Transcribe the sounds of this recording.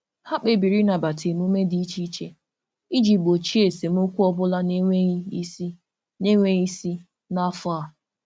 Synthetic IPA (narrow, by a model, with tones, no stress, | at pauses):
ha˦k͡pe˨bi˨ɾi˦na˨ba˨tʰe˨m˦u˦me˦di˦i˦t͡ʃi˦i˦t͡ʃe˦ | i˦d͡ʒi˨k͡po˨t͡ʃi˦e˨se˨m̩˦o˦kʷu˦ɔ˦bʊ˦la˦n˦ | ne˦ŋʷe˦i˦si˦ | na˦fʊ˦a˨